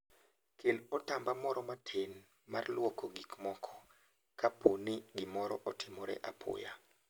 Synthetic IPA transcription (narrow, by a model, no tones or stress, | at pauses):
kʰelɔtambamɔɾɔmatʰen | marlwɔkoɡikmɔkʰɔ̥ | kʰapʰonɪɡɪmɔɾɔʔɔtʰɪmɔɾɛ̰ʔapʰʊ̰ja